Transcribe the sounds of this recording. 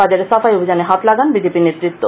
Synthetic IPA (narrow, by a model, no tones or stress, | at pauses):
ad͡ʑaɾesafajobʱid͡ʑaneɦat̪laɡanbid͡ʑepinet̪ɾit̪ːo